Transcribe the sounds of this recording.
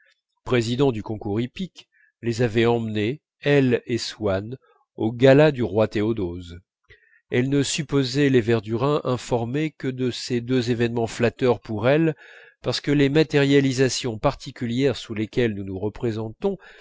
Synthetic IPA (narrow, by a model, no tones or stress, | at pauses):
pχezid̪ɑ̃d̪ykɔ̃kuʁipik | lezavɛɑ̃mne | ɛleswan | oɡalad̪yʁwat̪eod̪oz | ɛlnəsypozɛlevɛʁd̪yʁɛ̃ʔɛ̃fɔʁmekəd̪əsed̪øzevɛnmɑ̃flat̪œʁpuʁɛl | paʁsə̥kəlemat̪ɛʁjalizasjɔ̃paʁt̪ʰikʲyljɛʁsulekʲɛlnunuʁəpχezɑ̃t̪ɔ̃